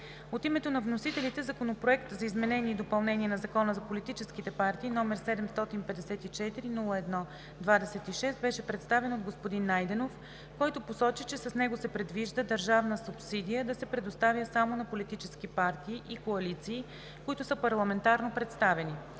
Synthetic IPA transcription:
ot̪imɛt̪onɐvnosit̪ɛlit̪ɛzɐkonopɾoɛkt̪zɐizmɛnɛnʲiɛid̪opɐlˠnɛniɛnɐzɐkɔnəzɐpolit̪it͡ʃɛskit̪ɛpaɾt̪iːnɔmɛɾsɛd̪ɛmst̪ɔt̪inpɛd̪ɛsɛt̪it͡ʃɛt̪iɾinulˠəɛd̪nɔ | d̪vad̪ɛsɛt̪iʃɛst̪̚bɛʃɛpɾɛt̪st̪avɛnod̪ɡospod̪inːajd̪ɛnof | kɔjt̪oposɔt͡ʃit͡ʃɛsɐsnɛɡosɛpɾɛd̪viʒd̪əd̪əɾʒavnəsupsid̪ijəd̪ɐsɛpɾɛd̪ost̪avjəsamonɐpolit̪it͡ʃɛskipaɾt̪iːʔikoɐlit̪siː | koit̪ʊsəpɐɾlˠɐmɛnt̪aɾnopɾɛt̪st̪avɛni

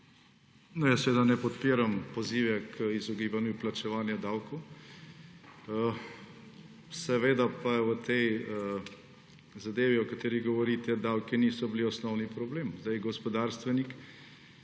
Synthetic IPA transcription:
nɔjasʋeːd̪anɛpɔt̪piːɾampoziːʋɛkʰizɔɡiːbanjuplat͡ʃɛʋaːnjɛd̪awkow | sɛʋeːd̪apaʋət̪ɛj | zad̪eːʋiɔkat̪eːɾiɣɡɔʋɔɾiːt̪ɛd̪awkiniːsɔbiliɔsnɔwnipɾɔbleːmzd̪ajɡɔspɔd̪aɾst̪ʋɛnik

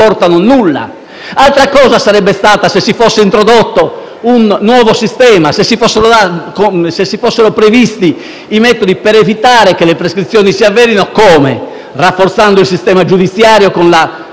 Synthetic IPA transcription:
ɔɾt̪anonulːa̰ | alt̪ɾakɔːzasaɾɛbːest̪aːt̪asesːifosːeint̪ɾod̪ot̪ːo | unːwɔːvosist̪ɛːmasesːifɔsːeɾod̪akosesːifosːeɾopɾevist̪i | imɛːt̪od̪ipɛɾevit̪aːɾekelːepɾeskɾit̪sːjɔːnisiavːɛːɾinokɔːmɛ̰ | rafːoɾt̪sand̪oilsist̪ɛːmad͡ʒud̪it̪sːjaːɾjokonla

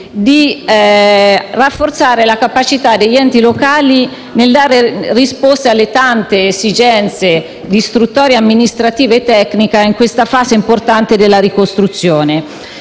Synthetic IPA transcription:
d̪i | rafːort̪saːɾelakapat͡ʃit̪ad̪ːeʎːɛnt̪ilokaːli | neld̪aːɾerispost̪ealːet̪ant̪eːsid͡ʒɛnt̪se | d̪ist̪ɾut̪ːɔːɾjamːinist̪ɾat̪iːveːt̪ːɛknikaiŋkwest̪afaːseimport̪ant̪ed̪elːaɾikost̪ɾut̪sːjɔːne

